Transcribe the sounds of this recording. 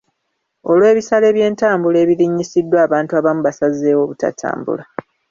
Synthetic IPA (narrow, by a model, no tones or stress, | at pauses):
o̞lwe̞ːβisale̞ːβje̞ːntaːmbule̞ːβiɾiɲːisidːwaːβaːntuaːβamuβasazːe̞ːwo̞ːβuta̰tʰa̰ːmbṵla